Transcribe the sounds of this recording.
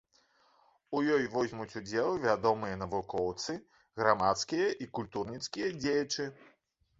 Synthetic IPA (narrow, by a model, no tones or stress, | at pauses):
ujɔjvɔzʲmut͡sʲud͡zʲɛlˠɨvʲad̪ɔmɨjɐnɐvukɔwt̪sɨ | ɣɾamat̪skʲijɐʔikulʲt̪urnʲit̪skʲijɐd͡zʲejɐt͡ʂɨ